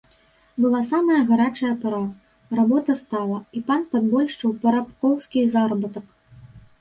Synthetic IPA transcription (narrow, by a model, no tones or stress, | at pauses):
bɨlˠasamɐjɐɣaɾat͡ʂɐjɐpaɾa | rabɔt̪ɐst̪alˠɐipanpad̪bɔlʲʂt͡ʂɨwpɐɾapkɔwskʲizarbɨt̪ɐk